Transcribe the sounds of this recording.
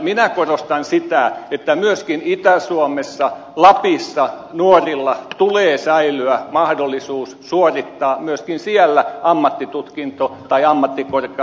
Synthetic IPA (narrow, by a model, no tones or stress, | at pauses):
minækorost̪ɑnsit̪æet̪ːæmyøskinit̪æsuomesːɑ | lɑpisːɑ | nuorilːɑt̪uleːsæilyæmɑhdolːisuːssuorit̪ːɑːmyøskinsiælːæɑmːɑt̪ːit̪ut̪kint̪ot̪ɑiɑmːɑt̪ːikorke